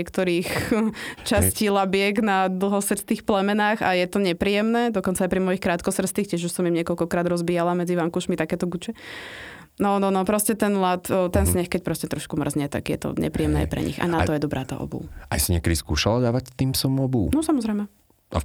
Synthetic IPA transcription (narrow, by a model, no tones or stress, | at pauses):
ɛkt̪ɔɾiːx | t͡ʃasciːlabɪɛɡnad̪l̩ˠɦɔsɾst̪iːxplɛmɛnaːxa̰jɛt̪ɔɲɛpɾiːjɛmnɛːd̪ɔkɔnt͡saːjpɾimɔjixkɾaːt̪̚kɔsr̩st̪iːxcɛʒuʃsɔmimɲɪɛkɔʎkɔkɾaːd̪ɾɔzbiːjalamɛd͡ziʋaːmkuʃmit̪akɛːt̪ɔɡut͡ʃɛ | nɔnɔnɔpɾɔscɛt̪ɛnlat̪t̪ɛnsɲɛxkɛc̚pɾɔscɛt̪ɾɔʃkumr̩zɲɛt̪a̰ɡjɛ̰t̪ɔ̰ɲɛ̰pɾijɛmnɛ̰ːa̰jpɾɛ̰ɲḭxa̰nat̪ɔjɛd̪ɔbɾa̰ːt̪a̰ːʔɔ̰bṵːʔa̰jsiɲɪɛkɛd̪iskṵːʃalad̪aːʋact̪iːmsɔmɔbuːnɔsamɔzɾɛjmɛ | ʔa̰